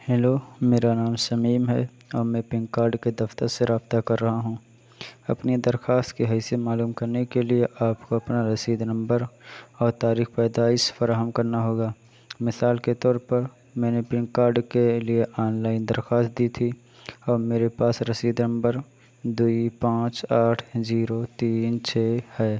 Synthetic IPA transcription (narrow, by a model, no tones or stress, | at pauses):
hɛloːmeːɾanaːmsɐmiːmɦɛ̰ | ɔːɾmɛ̃pɪ̃ŋkkaːɾɖked̪ɐft̪əɾseɾaːbt̪akɐɾːɐɦaɦũː | ɐpnid̪ɐɾxaːst̪keɦɛːsijemaːluːmkɐɾnekelieʔaːpkoɐpnaɾɐsiːd̪nɐ̃mbəɾɔːɾt̪aːɾiːxpɛːd̪aːɪsfɐɾaːɦəmkɐɾnaɦoːɡaː | mɪsaːlket̪ɔːɾpəɾ | mɛ̃ːnepɪ̃nkaːɾɖkelieʔaːnlaːɪnd̪əɾxaːst̪̚d̪iːt̪ʰi | ɔːɾmeːɾepaːsɾɐsiːd̪nə̃mbəɾ | d̪uipãːt͡ʃaːʈʰziːɾot̪iːnt͡ʃʰeːhɛː